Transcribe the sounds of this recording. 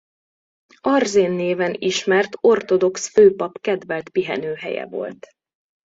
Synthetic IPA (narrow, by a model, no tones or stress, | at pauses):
ɒrzeːnːeːvɛniʃmɛrt̪o̞rt̪o̞d̪o̞ksføːpɒpkɛd̪vɛlt̪piɦɛnøːɦɛ̰jɛ̰vo̞̰lt̪